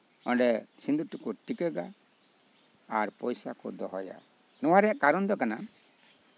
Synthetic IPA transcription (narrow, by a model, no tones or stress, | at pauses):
ɔɳɖɛsind̪uʈikɔʈikɛɡa | aɾpɔjsakɔd̪ɔɦɔja̰ | nɔwaɾɛaʔkaɾɔnd̪ɔkana